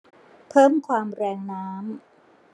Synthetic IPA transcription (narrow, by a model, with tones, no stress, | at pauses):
pʰɤː˥˩mkʰwaː˧mɾɛː˧ŋnaː˦˥m